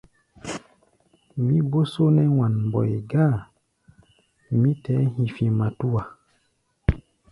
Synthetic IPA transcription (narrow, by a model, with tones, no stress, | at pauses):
mi˦bo˦so˦nɛ˦wa˨nm˨bɔ̰˨jɡa˦˨ | mi˦tɛ˨˦hi˨fi˨ma˨tu˦wa˨